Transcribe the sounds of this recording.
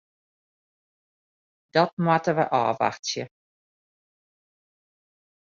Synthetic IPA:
d̥ɔt̚mwatəʋə̰ʔɑ̰ːʋa̰xtjə

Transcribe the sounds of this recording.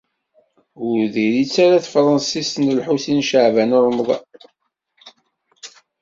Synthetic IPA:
ʊɾðiɾit͡sːaɾaθəfɾˤɑnsisnəlħuθinʃəʕvænəɾˤmðˤɑ̰

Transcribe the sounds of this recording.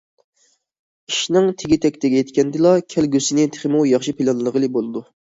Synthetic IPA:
iʃnɪŋt̪ʰeɡʲit̪ʰɛkʲt̪ʰɪɡʲɛjet̪kʲʰɛnd̪ɪlˠɑkʲʰɛlɡʲøsɪnɪt̪ʰe̥χɪmujɑχʃipʰilˠɑnlˠəʁəlˠɨbolˠɨd̪u

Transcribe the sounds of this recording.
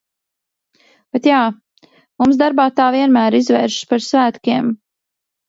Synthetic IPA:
b̥ɛt̪jaː | mumsd̪aɾbaːt̪aːviɛnmæːɾizvɛ̰ːɾʃpaɾsvæːt̪kʲiɛm

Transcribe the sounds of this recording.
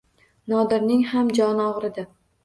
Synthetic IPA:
nɒd̪ɪɾnɪŋhamd͡ʒɒnɒʁɾɪd̪a

